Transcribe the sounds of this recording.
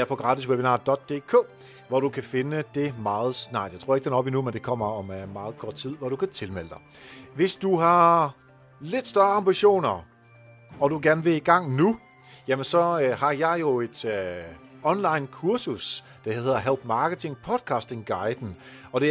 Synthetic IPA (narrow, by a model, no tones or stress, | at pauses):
æɐpʰɒ̽ɡ̥ʁɑ̈ːdisweb̥enɑ̈d̥ɒ̽d̥̚ːe̝̰ːkʰo̰ː | ʋɒɾ̥ukʰæfe̝nəd̥e̝mɑ̈ːð̞̩ˠsnɑ̈ɪ̥jaɪt͡sʰʁo̝ɐ̰e̝ɡ̥d̥enɒ̽b̥inumend̥e̝kʰɒ̽m̰ɐɒ̽mmɑ̈ːð̞̩ˠkʰɒːd̥̚t͡sʰið̞̰ˠʋɒɾ̥ukʰæt͡sʰe̝lmel̰d̥ɑ̈ɪʋe̝sd̥uɦɑ̈ | le̝d̥sd̥ɶːɐɑ̈mb̥iɕo̝̰ːnɐ | ɒ̽d̥uɡ̥æɐnəʋeiɡ̥ɑ̈ŋ̰nu | jæmənsɒ̽ɦɑ̈jɑ̈ɪjo̝e̝d̥ | ɒ̽nlɑ̈ɪnkʰuɐsus | d̥ehe̝ð̰ˠɐɦelb̥mɑ̈ːɡ̥ət͡sʰe̝ŋpʰɒ̽d̥ˠkʰɑ̈sd̥e̝ŋɡ̥ɑ̈ɪd̥n̩ | ɒ̽ɾ̥e̝